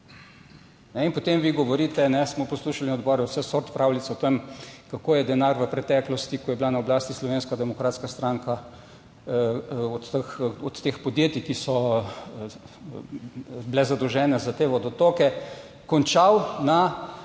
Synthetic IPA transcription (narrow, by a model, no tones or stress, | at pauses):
nɛinpɔt̪emʋiɡɔʋɔɾit̪ɛnɛsmɔpɔsluːʃalinɔd̪bɔːɾɛwsɛsoɾt̪pɾaːwlit̪sɛɔt̪emkakoːjɛd̪ɛnaɾʋəpɾɛt̪ɛklɔst̪ikɔjɛblanaɔblaːst̪islɔʋeːnskad̪ɛmɔkɾaːt̪skast̪ɾaŋka | ɔt̪əxɔt̪ːeːxpɔd̪jeːt̪ikisɔ | blɛzad̪ɔwʒɛːnɛzat̪eːʋɔd̪ɔt̪okɛ | kɔnt͡ʃawna